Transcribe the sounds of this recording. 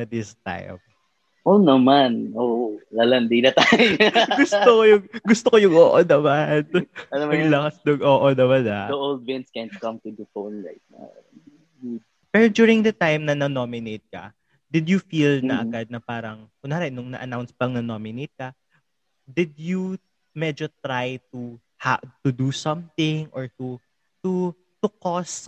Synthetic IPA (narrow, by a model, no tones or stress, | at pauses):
ɐd̪ɪst̪a̰jm | ʔonɐmanʔolalɐnd̪inɐt̪ajɡʊst̪okojʊŋɡʊst̪okojʊŋoːʔonɐmanɐnmɐɡlɐkɐsnʊɡʔoːʔonɐmɐnɐ̰d̪ɐʔold̪̚wɪ̃nskɛnkɐ̃mt̪ʊd̪ɐfonɹa̰ɪt̪̚na̰w | pɛɾod̪juːɹɪŋd̪ɐt̪ajmnɐnɐnomɪnejt̪̚kɐ̰ | d̪ɪd̪jʊfilnɐʔɐ̰ɡad̪̚nɐpaːɾɐŋ | ʊnaːɾɛnʊŋnɐ̰ʔɐ̰nawnspɐŋnɐnomɪnejt̪̚kɐ | d̪ɪd̪ju | mɛd͡ʒot̪ɾajt̪u | hat̪ʊd̪usɐ̃mθɪ̃ŋʔɔɹt̪u | t̪u | t̪ʊkɔs